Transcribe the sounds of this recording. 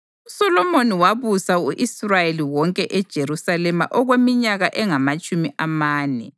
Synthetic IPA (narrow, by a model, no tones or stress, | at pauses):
usɔlɔmoniwaβusauʔisrajeliwɔŋkʼɛʔɛd̥ʒ̥ʱeɾusalɛma̰ʔɔɣwemiɲaɣaʔɛŋamat͡ʃʼumiʔamaːnɛ̰